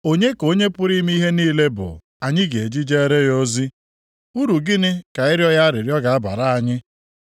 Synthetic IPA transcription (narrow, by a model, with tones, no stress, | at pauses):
o˦ɲe˦ko˦ɲe˦pʊ˦ɾi˦m˦i˦ɦe˦niː˦le˦bʊ̰˨ | a˨ɲɪ˦ɡe˨e˨d͡ʒi˦d͡ʒe˦ɾe˦jo˦zi˦ | u˦ɾu˨ɡɪ˦nɪ˦ka˨ɪ˦ɾjɔ˦ja˦a˦ɾɪ˨ɾjɔ˦ɡa˨a˦ba̰˨ɾa˦a˨ɲɪ˦